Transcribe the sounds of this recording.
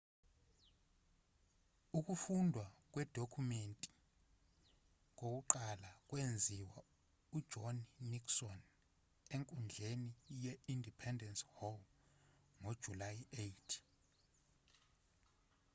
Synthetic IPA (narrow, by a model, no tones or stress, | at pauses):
uk̬ʼufundʱwak̬ʼwɛd̥ʱokʰumentʼi̥ | ŋok̬ʼuǃalak̬ʼwend͡zʱiwa | ud̥ʒ̥ʱɔnniksɔn | eŋkʼund͡ɮʱenijɛindʱipʰɛndʱɛnshom | ŋod̥ʒ̥ʱulajejtʰ